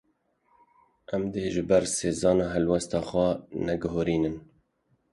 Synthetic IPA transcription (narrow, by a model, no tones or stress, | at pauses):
ʔæmd̪eːʒɨbɛɾseːzɑːnɑːɦɛlwɛst̪ɑːxwɛnɛɡʊɦoːɾiːnɨn